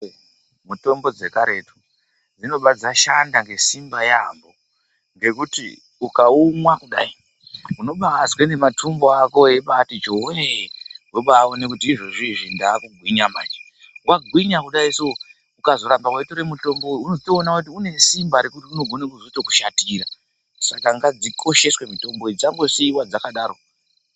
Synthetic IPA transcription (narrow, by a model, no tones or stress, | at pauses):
muto̞mbo̞d͡ze̞kaɾe̞tu̥ | d͡zino̞ɓad͡zaʃandaŋɡe̞simbajambo | ŋɡe̞kutḭ | ukaumwakuɗai | uno̞ɓazwenematʰumbo̞ako̞eɓatit͡ʃoɦeɦweɓaonekutiʐoʐiʐindaːkuɡʱwiɲama̰t͡ʃe̥ | waɡʱwiɲakuɗaiso | ukazo̞ɾambawaitoɾemuto̞mboujunoztoːnakut̬iune̞simbaɾe̞kutiuno̞ɡʱo̞nakuzotoku̥ʃatira | sakaŋɡad͡zikʰo̞ʃe̞swe̞mito̞mboid͡zaŋɡo̞seiwad͡zakaɗaːɾo̞